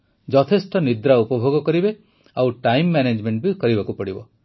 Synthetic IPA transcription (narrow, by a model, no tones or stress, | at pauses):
d͡ʒɔt̪ʰesʈɔnid̪ɾaupɔbʱoɡɔkɔɾibe | awʈajmːaned͡ʒmeɳʈbikɔɾibakupɔɽibɔ